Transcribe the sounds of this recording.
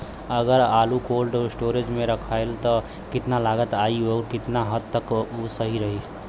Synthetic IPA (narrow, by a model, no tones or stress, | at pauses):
əɡəɾalukolɖosʈoɾed͡ʒmeɾəkʰajlt̪ə | kit̪nalaɡət̪aioɾkit̪naɦət̪ːəkusəɦiɾəɦi